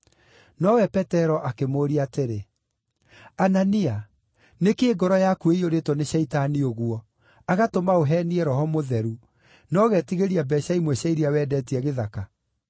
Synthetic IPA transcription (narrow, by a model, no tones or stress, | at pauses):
nɔwɛpɛtɛɾɔʔakemoːɾiateɾe | anania | nekeːɡɔɾɔjakueioɾetɔneɕɛitanioɣuɔ | aɣatomaoɦɛniɛɾɔɦɔmoðɛɾu | nɔɣɛtiɣeɾiabɛɕaimwɛɕaiɾiawɛːdɛtiɛɣeðaka